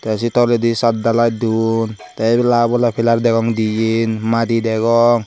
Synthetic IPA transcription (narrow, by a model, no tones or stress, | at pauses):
t̪ɛs̬it̪ɔlɛdisat̪̚dalajdun | t̪alabɔlapʰilaɾdɛɡɔŋdijinmadidɛɡɔŋ